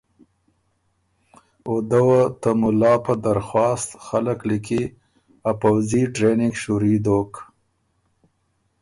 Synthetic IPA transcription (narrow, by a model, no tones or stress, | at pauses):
od̪əwat̪əmʊlɑpəd̪aɾxwɑːst̪xaləkliki | apawziʈɾenɪŋɡʃuɾid̪ok